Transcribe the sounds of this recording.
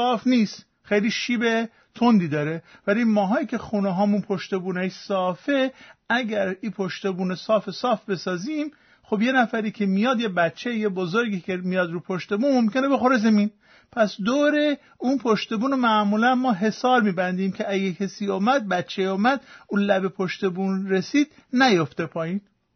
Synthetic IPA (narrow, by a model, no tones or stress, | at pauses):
ɒːfnist̪ | xejliːʃiːbe | t̪ʰond̪iːd̪ɒːɾevælimɒːɦɒːiːcʲʰe̞xuneɦɒːmunpʰoʃt̪e̞buːneʃsɒːfeæɡæɾiːpʰoʃt̪ebuːnesɒːfesɒːfbe̞sɒːziːm | xobje̞næfæɾiːkʲʰe̞mijɒːd̪jebæt̪t͡ʃʰːejebozoɾɡiːkʰemijɒːd̪ɾuːpʰoʃt̪e̞buːnmomkʰʲe̞nebe̞xoɾezemin | pʰæsd̪oːɾe | unpʰoʃt̪e̞buːnomæʔmuːlænmɒːɦe̞sɒːɾmiːbænd̪iːmcʰeʔæɡekʰæsiːɔːmæd̪̚bæt̪t͡ʃʰːejɔːmæd̪̥unlæbe̞pʰoʃt̪e̞bunɾe̞siːd̪ | næjoft̪e̞pʰɒːjiːn